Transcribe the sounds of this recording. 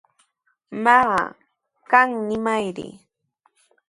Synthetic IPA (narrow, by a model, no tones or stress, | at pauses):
mɑɢɑ̰ | kaŋnɪmajɾɪ̰